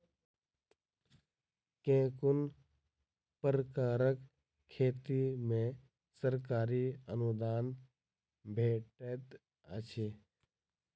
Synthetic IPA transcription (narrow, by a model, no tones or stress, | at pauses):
kẽːkʊn | pəɾəkaːɾəkʰː | eːt̪imẽ | səɾkaːɾiə̰nʊd̪aːn | bʱeːʈet̪ | ə̰t͡ʃʰeː